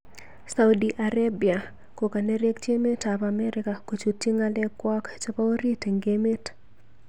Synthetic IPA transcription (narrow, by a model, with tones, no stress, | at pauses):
sa˨wdiʔa˨ɾabia˨ | ko˨ka˨nɛ˦ɾe˦kt͡ʃe˦me˦tapamɛɾɪkako˨t͡ʃu˨ti˦ŋalɛ˦kwa˦kt͡ʃa˦pa˦o˦ɾi˦te˨ŋɡe˦me˦t